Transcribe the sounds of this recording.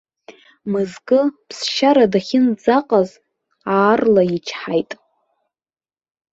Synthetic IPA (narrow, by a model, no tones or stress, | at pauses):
mɨzɡʼɨpʰsʃaɾadaχʲɪnd͡zaqʼaz | aːrlait͡ʃʰħajtʼ